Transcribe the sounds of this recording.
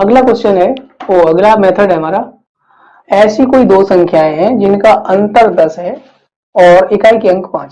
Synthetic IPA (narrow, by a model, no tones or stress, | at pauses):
ɐɡlakwəst͡ʃənɦɛoɐɡlameːt̪ʰəɖɦɛmaːɾa | ɛːsikoːid̪oːsɐ̃ŋkʰjaːẽɦɛ̃d͡ʒɪnkaʔɐ̃nt̪əɾd̪ɐsɦɛ | ɔːɾɪkaːikiɐ̃ŋkpãːt͡ʃ